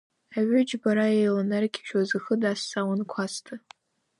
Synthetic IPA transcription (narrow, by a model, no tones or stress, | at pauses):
aɥʷʊd͡ʒbaɾajejlanarkʲʰi̥ʃᶣazɨxɨdasːawankʷʰastʰɨ